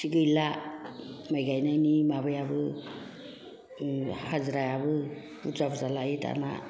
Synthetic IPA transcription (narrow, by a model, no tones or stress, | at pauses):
siɡɯjla | majɡajnajnimabajabɯ | hazɾajabɯ | uzabzalajita̰na̰